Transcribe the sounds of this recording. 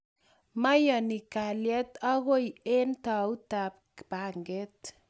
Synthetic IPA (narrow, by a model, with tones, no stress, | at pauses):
ma˦jɔ˨ni˨ka˨ljɛ˦t̪ɔ˦ɣo˦je˦nt̪a˨u˦t̪a˨p̚kba˨ŋɡe˦t̪